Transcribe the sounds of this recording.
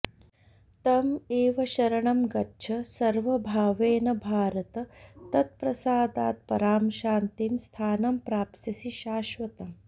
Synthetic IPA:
t̪ɐmeːʋɐʃɐɾɐɳɐmɡɐtːt͡ʃʰɐsɐɾʋɐbʱaːʋeːnɐbʱaːɾɐt̪ɐt̪ɐt̪̚pɾɐsaːd̪aːt̪̚pɐɾaːmʃaːnt̪imst̪ʰaːnɐmpɾaːpsɐsiʃaːʃʋɐt̪ɐm

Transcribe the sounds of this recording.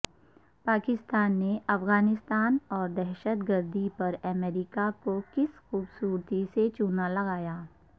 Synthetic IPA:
paːkɪst̪aːnːeʔɐfɣaːnɪst̪aːnɔːɾd̪ɛɦʃət̪ɡəɾd̪ipɐɾɐmɛːɾɪkakokɪsxuːbsuːɾt̪iset͡ʃʊnalɐɣaːjaː

